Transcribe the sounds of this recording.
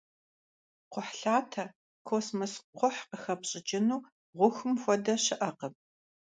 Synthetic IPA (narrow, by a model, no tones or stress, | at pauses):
qʷʊħɬaːtʰɐ | kʰoːsmɐsqʷʊħqəxɐpɕʼɪd͡ʒɪnuː | ʁʷʊxɨmxʷɔdɐɕɪʔɐqəp̚